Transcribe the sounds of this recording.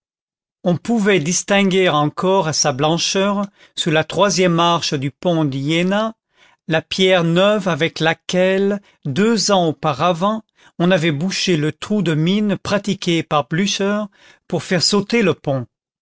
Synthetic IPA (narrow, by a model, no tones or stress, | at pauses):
ɔ̃puvɛd̪ist̪ɛ̃ɡʲeʁɑ̃kɔʁasablɑ̃ʃœʁ | sulat̪χwazjɛmːaʁʃəd̪ypɔ̃d̪jena | lapjɛʁnœvavɛklakʲɛl | d̪øzɑ̃opaʁavɑ̃ | ɔ̃navɛbuʃelət̪χud̪əminpχat̪ikʲepaʁblyʃœʁ | puʁfɛʁsot̪eləpɔ̃